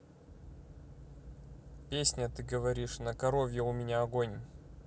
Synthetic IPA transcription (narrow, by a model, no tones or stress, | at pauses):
pʲesʲnʲət̪ɨɡəvɐɾʲiʂnəkɐɾovʲjəʊmʲɪnʲaɐɡonʲ